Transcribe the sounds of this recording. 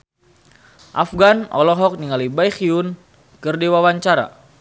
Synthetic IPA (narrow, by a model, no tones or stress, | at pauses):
ʔafɡanɔ̰lɔɦɔk̚niŋalibajxiun | kərdiwawaɲt͡ʃaɾa̰